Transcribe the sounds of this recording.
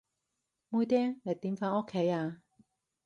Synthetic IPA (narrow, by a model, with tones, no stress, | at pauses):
muː˥jt̪̬ɛː˥ŋle˨˩t̪iː˨˥mfaː˨˥no˥kʰːe˨˥˦jaː˧